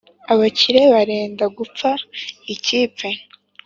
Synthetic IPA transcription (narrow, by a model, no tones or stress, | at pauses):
aβaciɾe̞βaɾe̞ːndaɡup͡faiciːpp͡fe̞